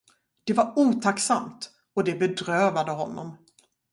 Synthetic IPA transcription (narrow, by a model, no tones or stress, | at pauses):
d̪̥ɛvaɾuːt̪ʰaksamt̪ | ɔd̪ɛbɛd̪ɾøːvad̪əɦɔnːɔ̰m